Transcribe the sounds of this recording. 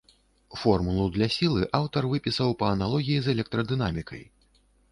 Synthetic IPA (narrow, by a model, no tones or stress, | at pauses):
fɔrmulˠud̪lʲasʲilˠɨʔawt̪ɐrvɨpʲisɐwpɐɐnalˠɔɣʲijizɛlʲɛk̚t̪ɾɐd̪ɨnamʲikʰɐ̰j